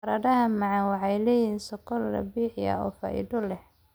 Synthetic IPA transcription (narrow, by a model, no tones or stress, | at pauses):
ɐɾɐðɐɦɐmɑʕɑnwɑħɑjlɛːjiːnsɔkɔlrɐ̰biːħjɐ̰ɔːfɐ̰ʔḭdɔlɛh